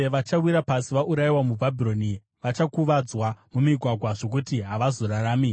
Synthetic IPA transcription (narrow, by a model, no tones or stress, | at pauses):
ʋat͡ʃawiɾapasiʋaʔuɾajiwamubʱabʱiro̞ni | ʋat͡ʃakuʋad͡zwamumiɡʱwaɡʱwaʐo̞k̬utiɦaʋazo̞ɾaɾaːmi